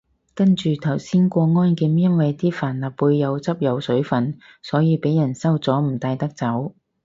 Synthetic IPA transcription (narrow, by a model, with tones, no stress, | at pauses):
kɐ˥nt͡ʃyː˨t̪ʰɐ˨˩wsiː˥nkʷɔː˧ŋɔː˥nkiː˨˧mjɐ˥nwɐ˨jt̪iː˥faː˨˩nlɐː˨˩p̚wuː˧jːɐ˨˧wt͡sɐ˥p̚jɐ˨˧wsɵ˨˥ɥfɐ˨n | sɔː˨˥jiː˨˧pe˨˥jɐ˨˩nsɐ˥wt͡sɔː˨˥m̩˨˩t̪aː˧jt̪ɐ˥k̚t͡sɐ˨˥w